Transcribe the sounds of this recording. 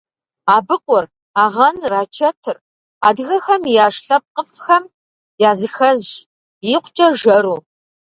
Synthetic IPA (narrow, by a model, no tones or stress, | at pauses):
aːbɨqʷʼʊr | aːʁɐnraːt͡ʃʰɐtʰɨr | aːdɨxɐxɐmjaːʂɬɐp̚qəfxɐm | jaːzɨxɐzʒ | jiqʷt͡ʃʼɐʒɐɾuː